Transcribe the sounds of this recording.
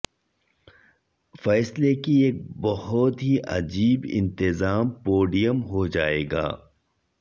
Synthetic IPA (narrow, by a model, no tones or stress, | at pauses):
fɛːslekieːk̚bɐɦʊt̪ɦiʔɐ̰d͡ʒiːbɪ̰̃nt̪ɪzaːmpoːɖijəmɦod͡ʒaːḛːɡa̰ː